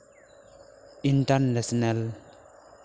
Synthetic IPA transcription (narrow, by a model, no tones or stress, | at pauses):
intaɾnasnal